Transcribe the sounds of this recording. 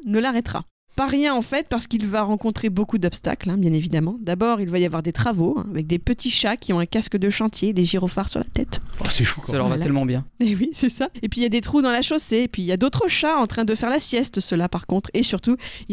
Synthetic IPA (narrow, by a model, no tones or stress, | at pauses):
nəlaʁɛt̪χa̰ | paʁjɛ̃ɑ̃fɛt̪̚paʁsə̥kilvaʁɑ̃kɔ̃t̪χebokud̪ɔpst̪a̰klɛ̃bjɛ̃nevid̪amɑ̃d̪abɔːʁilvajavwaʁd̪et̪χavoɛ̰̃avɛk̚d̪epət̪iʃakʲiɔ̃ɛ̃kʲaskəd̪əʃɑ̃t̪jed̪eʒiʁofaʁsyʁla̰t̪ɛt̪asɛfuksəlɔvalɛlmɑ̃bjɛ̃ewisɛsaepɥijad̪et̪χud̪ɑ̃laʃoseːpɥiːljad̪ot̪χəʃaɑ̃t̪χɛ̃d̪əfɛʁlasjɛst̪səlapaʁkɔ̃t̪χesyʁt̪u